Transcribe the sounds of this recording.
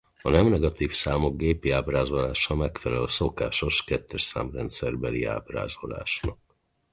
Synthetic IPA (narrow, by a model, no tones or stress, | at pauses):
ɒnɛmnɛɡɒt̪iːfsaːmo̞ɡɡeːpiaːbraːzo̞laːʃɒmɛkfɛlɛlso̞kaːʃo̞ʃkɛt̪ːɛʃsa̰ːmrɛnt̪sɛrbɛlḭa̰ːbra̰ːzo̞̰la̰ːʃnɒk̚